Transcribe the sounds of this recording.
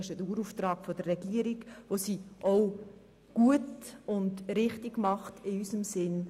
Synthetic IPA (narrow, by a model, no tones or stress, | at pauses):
ɪʃəduːɾuftrɑːkfod̥ərːɛɡ̥iəɾiɡʋosiʔoʊ | ɡ̥uətʊndɾɪχtiɡmɑχtɪysəmsɪn